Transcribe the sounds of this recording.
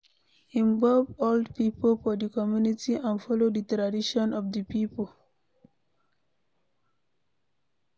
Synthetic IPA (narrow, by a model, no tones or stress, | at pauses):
ĩmbɔlvoldpiːpəlfɔd̪ikɔmjunitiãnfɔlodit̪ɾadiʃɔ̃nɔfd̪ipiːpəl